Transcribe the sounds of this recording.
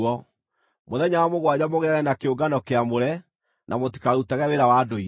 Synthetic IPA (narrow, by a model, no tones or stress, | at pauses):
ɔ | moðɛɲaamoɣwad͡ʑamoɣɛaɣɛnakeoɡanɔkeamoɾɛ | nʔa̰moti̥kaɾutaɣɛweɾawaːdoi